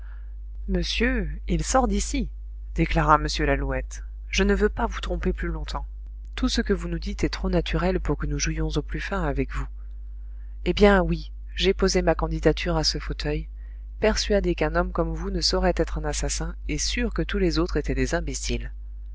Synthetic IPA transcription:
məsjøilsɔʁd̪isi | d̪̥eklaʁaməsjølaluɛt̪ | ʒənəvøpavut̪χɔ̃peplylɔ̃t̪ɑ̃ | t̪usəkəvunud̪it̪ɛt̪χonat̪ʰyʁɛlpuʁkənuʒujɔ̃zoplyfɛ̃avɛkvu | ebjɛ̃wi | ʒepozemakɑ̃d̪id̪at̪ʰyʁasəfot̪ʰœj | pɛʁsɥad̪ekɛ̃nɔmkɔmvunəsɔʁɛt̪ɛt̪χɛ̃nasasɛ̃esyʁkət̪ulezot̪χet̪ɛd̪ezɛ̃besil

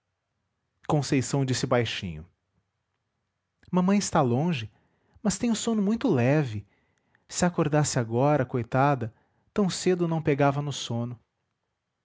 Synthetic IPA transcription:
kõsejsɐ̃w̃d͡ʒisɪbajʃḭ̃ɲʊ | mɐ̃mɐ̃j̃ɪst̪alõʒɪ | mɐst̪ẽj̃ʊsõnʊmũj̃t̪ʊlɛvɪ | sɪakoɾd̪asɪaɡɔɾɐkojt̪ad̪ɐ | t̪ɐ̃w̃sed̪ʊnɐ̃w̃peɡavɐnʊsõnʊ

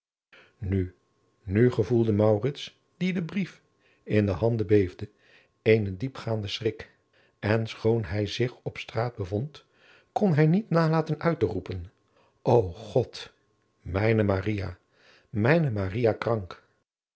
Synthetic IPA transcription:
ny | nyχəvulˠdəmɑwrɪts | d̥idəbrif | ɪndəɦɑndəbejvdə | ejnədipχaːndəsrɪk | ɛnsχownɦɛjzɪχɔpstraːd̚bəvɔnt | kɔnɦɛjnitnaːlaːtənœɥtərupən | ʔowχɔt | mɛjnəmarija | mɛjnəmarijakrɑŋk

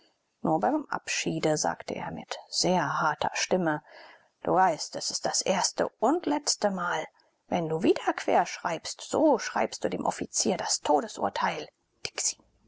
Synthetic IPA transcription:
nuːɐbaɪmmʔa̰pʃiːdəza̰ːktəʔḛːɐmɪ̰tz̥eːɐhaɐtʰɐ̰ʃtɪmə | d̥ṵːvaɪstɛsɪ̥st̚d̥asʔeːɐstə̰ʔʊntlɛt͡stəmaːl | vɛnduːviːdɐkv̥ḛːɐʃʁ̥aɪpstz̥oːʃʁ̥a̰ɪpst̚d̥uːdeːmʔɔfit͡siːɐdastʰoːdəsʔṵːɐtʰaɪl | d̥ɪ̥ksi̥

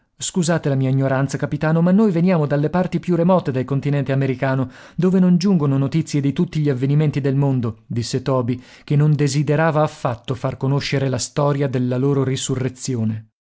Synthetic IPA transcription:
skuzaːt̪elamiːaiɲːoɾant̪sakapit̪aːnomanːojvenjaːmod̪alːepart̪ipjuremɔːt̪ed̪elkont̪inɛnt̪eameɾikaːno | d̪oːvenond͡ʒuŋɡononot̪it̪sːjed̪it̪ut̪ːiʎiavːeniment̪id̪elmond̪od̪isːet̪ɔːbi | kenːond̪ezid̪eɾaːvaːfːat̪ːofarkonoʃːeɾelast̪ɔːɾjad̪elːaloːɾorisurːet̪sːjoːne

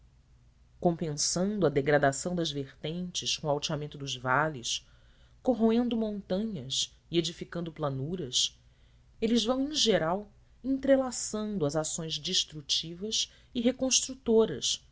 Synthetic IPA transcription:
kõpẽsɐ̃nd̪ʊɐd̪eɡɾad̪asɐ̃w̃d̪ɐzveχt̪ẽnt͡ʃɪskõawt͡ʃiamẽnt̪ʊd̪ʊzvalis | koɦoẽnd̪ʊmõnt̪ɐ̃ɲɐs | ied͡ʒifikɐ̃nd̪ʊplanuɾɐs | elɪzvɐ̃w̃ẽʒeɾaw | ẽnt̪ɾelasɐ̃nd̪ʊɐzasõj̃zd͡ʒiʃt̪ɾut͡ʃivɐs | iɦekõʃt̪ɾut̪oɾɐs

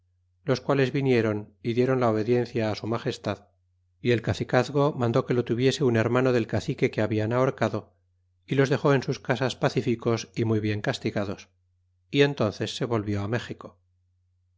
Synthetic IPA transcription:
lo̞skwale̞zβinje̞ɾo̞niðje̞ɾo̞nlaoβ̞e̞ðje̞n̟θjaːsumaχe̞st̪að | ie̞lkaθikaθɣo̞mãnd̪oke̞lo̞t̪uβje̞se̞une̞ɾmanoðe̞lkaθike̞keaβianaoɾkaðo̞ | ilo̞zðe̞xo̞e̞nsuskasaspaθifiko̞simujβje̞ŋkast̪iɣaðo̞s | ie̞nt̪o̞nθe̞sːe̞βo̞lβjoame̞xiko̞

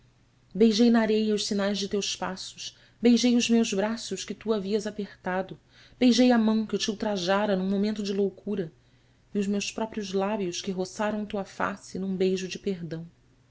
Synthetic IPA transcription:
bejʒejnɐaɾejɐʊʃsinajzd͡ʒɪt̪ewʃpasʊ̥ʃ | bejʒejʊzmewʒbɾasʊʃkɪt̪uaviɐzapeχt̪ad̪ʊ | b̥ejʒejamɐ̃w̃kɪt͡ʃiuwt̪ɾaʒaɾɐnũmomẽnt̪ʊd͡ʒɪlowkuɾɐ | ɪʊzmewspɾɔpɾiʊzlabiʊʃkɪɦosaɾɐ̃w̃t̪uɐfa̰sɪnũbejʒʊd͡ʒɪpeɦd̪ɐ̃w̃

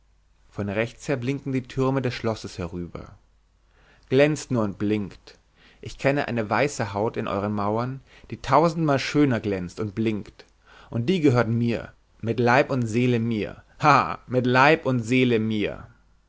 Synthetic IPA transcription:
fɔnʁɛçt͡sheːɐblɪŋkn̩diːtʰʏɐmədɛsʃlɔsəshɛʁyːbɐ̰ | ɡ̥lɛnt͡stnuːɐʊnt̚b̥lɪŋkt | ʔɪçkʰɛnəʔa̰ɪnəvaɪsəɦaʊtɪnʔɔ̰ʏʁ̞ənmaʊɐn | d̥iːtʰaʊzn̩tmaːlʃøːnɐɡlɛnt͡stʊnt̚b̥lɪŋkt | ʔʊnt̚d̥iːɡəɦøːɐtn̩miːɐ | mɪtlaɪpʊntz̥eːləmiːɐ | haːmɪtlaɪpʊntz̥eːləmiːɐ

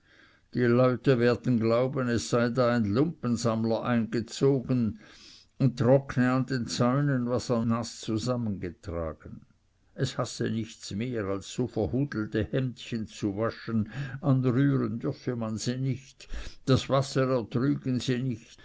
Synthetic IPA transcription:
d̥ilɔʏtəveːɐd̥̪n̩ɡlaʊbənɛsːaɪdaːaɪnlʊmpənzamlɐʔaɪnɡ̥ət͡soːɡən | ʊntʁɔknəand̪ent͡saʏnənvasanast͡suzamənɡətʁ̥a̰ːɡ̥ən | ʔɛshasə̰nɪçt͡smeːʁalsːoːfɛɐʁhuːdl̩təhɛmt̪çənt͡suvaʃənʔanʁyːʁəndʏʁfəmanziːnɪçtd̥asvasəʁɛɐt̪ʁyːɡənziːnɪçt

